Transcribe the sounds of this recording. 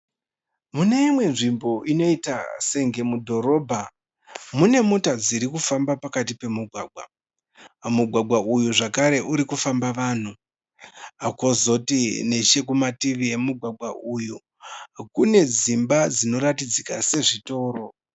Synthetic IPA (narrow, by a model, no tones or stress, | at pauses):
mune̞imwe̞nʐimbo̞ʔino̞ita̰se̞ŋɡe̞mudʱo̞ɾo̞bʱa | mune̞motad͡ziɾikufambapakatipe̞muɡʱwaːɡʱwa | muɡʱwaɡʱwaʔujuʐakaɾe̞ʔuɾikufambaʋaːn̤u | akozo̞tine̞ʃe̞kumatiʋije̞muɡʱwaɡʱwaʔuju | kune̞d͡zimbad͡zino̞ɾatid͡zikase̞ʐito̞ːro̞